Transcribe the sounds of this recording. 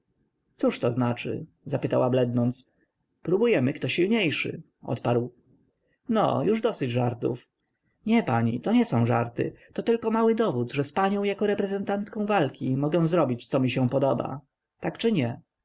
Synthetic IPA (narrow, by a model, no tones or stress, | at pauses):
t̪suʂt̪ɔznat͡ʂɘ̰ | zapɘt̪awablɛd̪nɔnt̪s | pɾubujɛmɘkt̪ɔɕilɲejʂɘ̰ | ʔɔ̰t̪paɾw | nɔ̰juʐd̪ɔsɘd͡ʑʐaɾt̪ṵf | ɲɛpaɲḭt̪ɔɲɛsɔ̃w̃ʐaɾt̪ɘ̰t̪ɔt̪ɘlkɔmawɘd̪ɔvud̪ʐɛspaɲɔ̃w̃jakɔɾɛpɾɛzɛnt̪ant̪kɔ̃w̃valkʲimɔɡɛ̃w̃zɾɔbʲit͡ɕ̪sɔmʲiɕɛ̃pɔd̪ɔba̰ | t̪akt͡ʂɘɲɛ